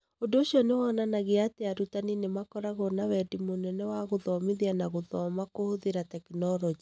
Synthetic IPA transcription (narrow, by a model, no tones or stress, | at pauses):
ondooɕiɔnewananaɣeateaɾutaninemakɔɾaɣɔnawɛdimonɛnɛwaɣoðɔmeðianaɣoðɔmakohoðeɾatɛkinɔɾɔɲe